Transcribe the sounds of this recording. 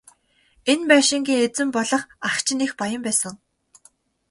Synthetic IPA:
enpæːʃĭŋɡʲiːŋet͡sɘ̆mpɔɮɞ̆χakt͡ɕʰɪ̆nixpajə̆mpæːsə̆ŋ

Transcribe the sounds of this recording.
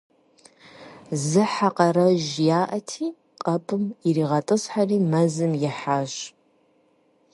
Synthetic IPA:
zɨħaqɐɾɐʒjaːʔɐtʰiː | qʼɐpʼʰɨmiriːʁɐtʼɨsħariːmɐzɨmjɪħaʒ

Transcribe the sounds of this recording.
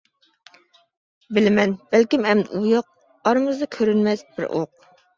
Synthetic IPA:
bɪlɪmɛnb̥ɛlkʲimɛmd̪ujɑq̚ | ɑɾɨmɨzd̪ɑkʲʰøɾynmɛsbɪ̰ɾʔo̰q̚

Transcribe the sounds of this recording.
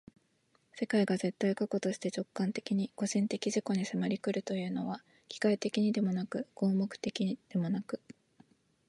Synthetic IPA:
se̞kaiɡaze̞t̪ːaikako̞t̪o̞ɕi̥t̪e̞t͡ɕo̞kːãnt̪e̞kʲiɲ̟iko̞ʑĩnt̪e̞kʲiʑiko̞ɲ̟isɨmaɾʲikɯ̟ɾɯ̟t̪o̞jɯ̟ːno̞βa | kʲi̥kait̪e̞kʲiɲ̟id̪e̞mo̞nakɯ̟ɡ̥o̞ːmo̞kɯ̟̥t̪e̞kʲid̪̥e̞mo̞nakɯ̟̥

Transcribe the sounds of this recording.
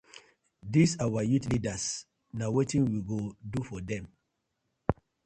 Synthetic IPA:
disawajutlidas | nawetĩnwiɡodufɔdɛ̃m

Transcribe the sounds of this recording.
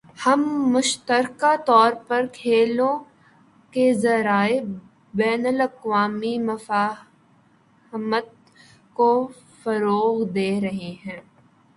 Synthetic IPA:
hɐmːʊʃt̪əɾkat̪ɔːɾpɐɾkʰeːlõ | kezɐɾaːe | bɛːnəlɐqʋaːmimɐfaː | mət̪̚ | ko | fɐɾoːɣd̪eːɾɐɦeɦɛ̃ː

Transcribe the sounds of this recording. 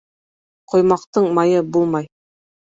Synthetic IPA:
qʰŏjmɑqt̪ɤɴmɑjɤbulˠmɑj

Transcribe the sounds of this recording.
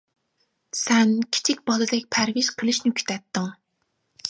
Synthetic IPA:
sɛnkʲʰi̥t͡ʃʰikʲbɑlˠɨd̪ɛk̚ʲpʰæɾviz̥qʰəlˠɨʃnɪkʲʰy̥t̪ʰɛt̪ːɨŋ

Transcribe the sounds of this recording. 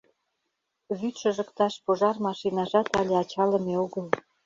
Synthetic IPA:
βyt̪ʃə̆ʒə̆kt̪ɑʃpoʒɑrmɑʃinɑʒɑt̪ɑlʲeɑt͡ɕɑlə̆meoɣəl

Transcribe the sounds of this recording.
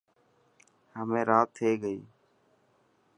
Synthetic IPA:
həmẽːɾaːt̪ʰːeːɡəḭː

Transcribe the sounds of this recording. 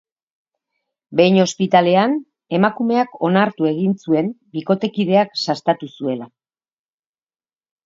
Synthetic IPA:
be̞jno̞spit̪ale̞an | e̞makume̞ako̞naɾt̪ue̞ɣinsue̞mbiko̞t̪e̞kiðe̞aksast̪at̪usue̞la

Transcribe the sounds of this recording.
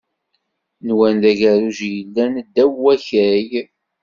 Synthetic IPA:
nwænd̪æʝæɾuʒjəlːænəd̪ːæwːæçæj

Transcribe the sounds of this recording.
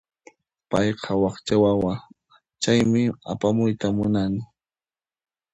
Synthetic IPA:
pɑjqʰɑwɑχt͡ʃawawa | t͡ʃajmɪapamʊjt̪amʊnanɪ

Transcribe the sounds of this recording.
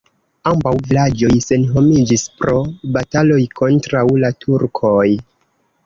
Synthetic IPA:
ambawvilad͡ʒo̞jse̞nɦo̞mid͡ʒispɾo̞batalo̞jkʰo̞ntɾawlatʰuɾkʰoj

